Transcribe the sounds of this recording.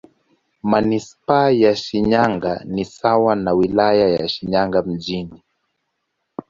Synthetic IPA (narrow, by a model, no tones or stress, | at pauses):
manispajaʃiɲaŋɡanisawanawilajajaʃiɲaŋɡam̩ʄini